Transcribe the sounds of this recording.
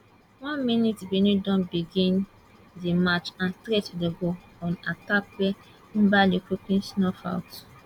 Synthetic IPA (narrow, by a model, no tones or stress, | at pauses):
wɔ̃nminitbinĩdɔ̃nbiɡĩn | demat͡ʃãntɾetdeɡoɔ̃natap̚wɛ | m̩balikupĩnsnɔfa̰ʊt